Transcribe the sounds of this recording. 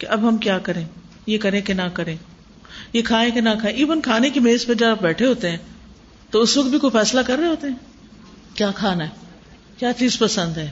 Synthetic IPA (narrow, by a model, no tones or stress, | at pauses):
keʔɐbɦɐmkjaːkɐɾẽː | jekɐɾẽkenakɐɾẽː | jekʰaːẽkenakʰaːẽʔiːʋənkʰaːnekemeːzpɐɾd͡ʒɐaːb̚bɛːʈʰeɦoːt̪eɦɛ̃ː | t̪oʊsʋɐk̚t̪bʱikoːfɛːslakɐɾːɐeɦoːt̪eɦɛ̃ː | kjaːkʰaːnaɦɛ | kjaːt͡ʃiːzpɐsə̃nd̪ɦɛː